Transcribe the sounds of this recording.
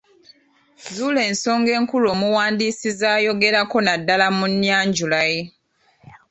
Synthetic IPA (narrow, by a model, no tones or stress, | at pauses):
zule̞ːnso̞ːŋɡe̞ːŋkulo̞ːmuwaːndiːsizaːjo̞ɡe̞ɾako̞nadːalamunːjaːɲɟulaje̞